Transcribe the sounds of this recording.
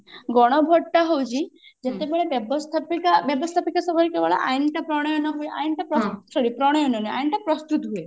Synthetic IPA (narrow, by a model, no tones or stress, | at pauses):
ɡɔɽ̃ɔbʱɔʈːaɦowt͡ʃʰid͡ʒet̪ebeɭebjebɔst̪ʰapikabjebɔst̪ʰapikasɔbɔɾikeʋaɭa̰ʔajnʈapɾɔɽ̃ɔjɔnɔɦueʔa̰inʈapɾɔsɔɾipɾɔɽ̃ɔjɔnɔnia̰inʈapɾɔst̪ut̪ɦue